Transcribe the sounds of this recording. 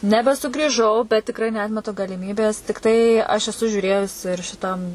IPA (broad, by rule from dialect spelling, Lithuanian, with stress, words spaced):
nʲɛbʲɛsʊɡrʲiːˈʒɐʊ bʲɛt tʲɪkˈrɐɪ nʲɛˈɑːtʲmʲɛtʊ ɡɐlʲɪˈmʲiːbʲeːs tʲɪkˈtɐɪ ɐʃ ɛˈsʊ ʒʲuːˈrʲeːjʊs ɪr ʃʲɪˈtɐm